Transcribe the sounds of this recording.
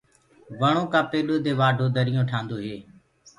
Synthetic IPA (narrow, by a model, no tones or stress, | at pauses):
ʋəɳ̃õːkãːpeːɗoːd̪eːʋaːɖʱoːd̪əɾɪjõːʈʰãːnd̪oːɦeː